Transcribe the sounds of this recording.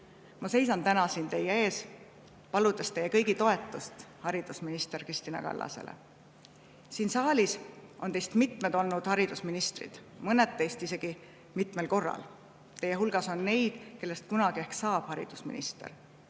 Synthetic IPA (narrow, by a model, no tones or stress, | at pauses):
mɑse̞jsɑnt̪ænɑsiːnt̪e̞jee̞ːs | pɑlud̪̥est̪e̞jːekɤjɡit̪o̞e̞t̪ːˑust̪hɑɾid̪̥usminist̪e̞ɾkrist̪inɑ̰kɑ̰lːɑ̰sḛlḛ | siːnsɑːlisʔo̞nt̪e̞jst̪mit̪med̪o̞lnud̪̥hɑɾid̪̥usminist̪rḭd̪̥ | mɤned̪tːe̞jst̪ise̞ɡ̥i | mit̪me̞lko̞rːɑ̰l | t̪e̞jːeɦulɡ̥ɑso̞nːe̞jd̪̥ke̞lːe̞st̪kunɑɡ̥ie̞hksɑːb̥hɑɾḭd̪̥usmḭnḭst̪ḛr